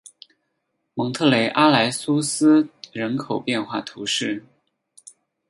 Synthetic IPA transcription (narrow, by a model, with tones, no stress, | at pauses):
mɤ˧˥ŋt̪ʰɤ˥˩le˧˥ɪʔa˥la˧˥ɪsu˥sɹ̩˥ɻə˧˥nkʰo˨˩ʊpjɛ˥˧nxwa˥˩t̪ʰu˧˥ʂɻ̩˥˩